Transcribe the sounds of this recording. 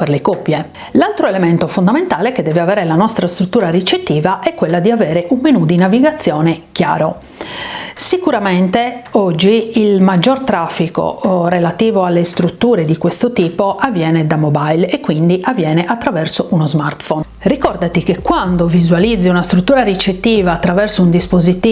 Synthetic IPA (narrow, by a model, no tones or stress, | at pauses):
perlekɔpːje | lalt̪ɾoelement̪ofond̪ament̪aːleked̪ːɛːveavɛːɾelanɔst̪ɾast̪ɾut̪ːuːɾarit͡ʃet̪ːiːvaʔɛkːwelːad̪iavɛːɾeʔunmenud̪inaviɡat̪sːjɔːnekja̰ːɾo | sikuɾament̪eɔd͡ʒːiilmad͡ʒːort̪ɾafːiko̰relat̪iːvoalːest̪ɾut̪ːuːɾed̪ikwest̪ot̪iːpoavːjɛːnɛd̪amɔbajlekːwind̪iʔavːjɛːneʔat̪ːɾavɛrsoʔunozmart̪fɔn | rikɔrd̪at̪ikekːwand̪ovizwalid̪zːiunast̪ɾut̪ːuːɾarit͡ʃet̪ːiːvaːt̪ːɾavɛrsound̪ispozit̪iː